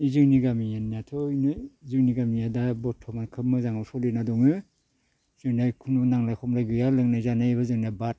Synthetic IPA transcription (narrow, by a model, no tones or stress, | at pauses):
izɯŋniɡamijaniatʰɔnɯizɯkniɡamijadabɔtʰːɔmankʰɯp̚mːɯzaŋawsɔlɯnadɔŋɯ | zɯŋnajkʰunɔnaŋlajkʰɔmlaɡɯjalɯŋnajzanajβazɯŋnabat̚